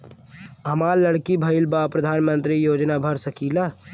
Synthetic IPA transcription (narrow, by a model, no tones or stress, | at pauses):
ɦəmaɾləɽkibʱəɪlbapɾəd̪ʱanmənt̪ɾijod͡ʒnabʱəɾsəkila